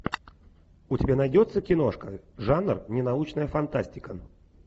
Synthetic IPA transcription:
ʊtʲɪbʲanɐjdʲot̪sːəkʲɪnoʂkəʐanrnʲɪnɐut͡ɕnəjəfɐnt̪asʲtʲɪkə

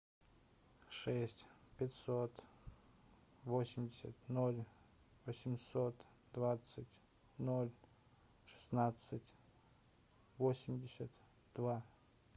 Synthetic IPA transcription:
ʂɛsʲtʲpʲɪtʲsot̪ | vosʲɪmʲdʲɪsʲə̰t̪nolʲ | vəsʲɪmsot̪ | d̪vat̪sɨtʲ | nolʲ | ʂɨ̥snat̪sɨtʲ | vosʲɪmʲdʲɪsʲət̪ | d̪va

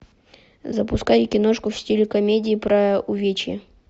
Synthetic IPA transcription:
zɐpʊskajɪkʲɪnoʂkʊfsʲtʲilʲɪkɐmʲedʲɪːpɾɐʊvʲet͡ɕjɪ̰

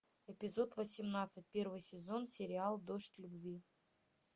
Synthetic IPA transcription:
ɛpʲɪzo̞t̪vəsʲɪmnat̪sɨt̚ʲpʲe̞rvɨjsʲɪzo̞nsʲɪɾʲɪalˠd̪oʂtʲlʲʊbvʲi

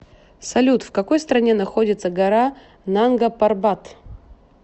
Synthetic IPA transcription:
sɐlʲut̪fkɐko̞jst̪ɾɐnʲe̞nɐxo̞dʲɪt̪səɡɐɾa | nanɡəpɐrbat̪

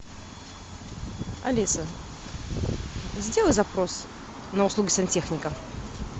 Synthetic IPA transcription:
ɐ̰lʲisə | zʲdʲelˠəjzɐpɾos | nəʊslˠuɡʲɪsʲɐnʲtʲexnʲɪkə

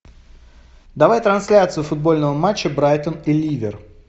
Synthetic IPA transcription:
d̪ɐvajt̪ɾɐnsʲlʲat̪sɨjʊfʊd̪̚bo̞lʲnəvəmat͡ɕːəbɾajt̪ənilʲivʲɪr

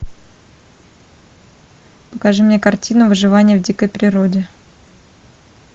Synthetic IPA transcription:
pəkɐʐɨmnʲekɐrtʲinʊvɨʐɨvanʲɪjəvdʲikəjpɾʲɪɾodʲɪ

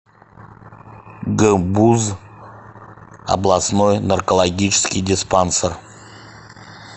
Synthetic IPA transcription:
ɡəbuz | a̰blˠasnojnɐrkolˠaɡʲit͡ʃɪ̥skʲijdʲɪspansər

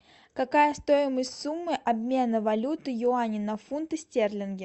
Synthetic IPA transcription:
kɐkajəst̪o̞ɪməsʲtʲsumːɨʔɐbmʲe̞nəvɐlʲut̪ɨjʊanʲɪnɐfunt̪ɨsʲtʲerlʲɪnɡʲɪ

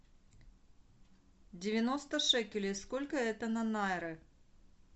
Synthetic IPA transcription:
dʲɪvʲɪnost̪əʂɛkʲɪlʲeskolʲkəɛt̪ənɐnaɪɾɨ

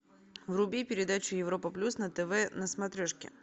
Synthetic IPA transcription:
vrʊbʲipʲɪɾʲɪd̪at͡ɕʊjɪvɾo̞pəplʲusnət̪ɛvɛnəsmɐt̪ɾʲoʂkʲɪ̰

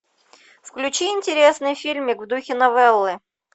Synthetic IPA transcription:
fklʲʉt͡ɕiɪnʲtʲɪɾʲesnɨjfʲilʲmʲɪkvd̪uxʲɪnɐvɛlˠːɨ

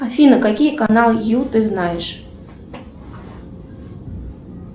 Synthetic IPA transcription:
afʲinɐkakʲijɐkanalˠjut̪ɨznajɛʂ

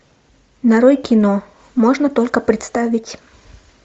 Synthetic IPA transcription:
nɐɾojkʲɪno | moʐnət̪olʲkəpɾʲɪt̪st̪avʲɪtʲ

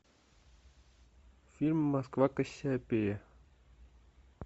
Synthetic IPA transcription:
fʲilʲmːɐskvakəɕːaːpʲejɐ

